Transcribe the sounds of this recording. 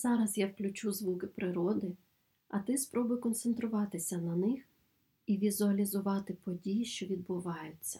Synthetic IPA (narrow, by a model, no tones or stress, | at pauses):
zɑɾɐzjawklʲʊt͡ʃuzʋukɪpɾɪɾɔd̪ɪ | ɐt̪ɪspɾɔbʊjkɔnt̪sent̪ɾʊʋɑt̪ɪsʲɐnɐnɪx | iʋʲizʊɐlʲizʊʋɑt̪ɪpɔdʲijiʃt͡ʃɔʋʲid̪̚bʊʋɑjʊt͡sʲːɐ̥